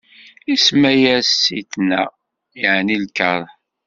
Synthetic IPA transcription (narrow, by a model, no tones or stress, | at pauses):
ismæjæsːiθnæ̰ | jəʕnilkəɾˤ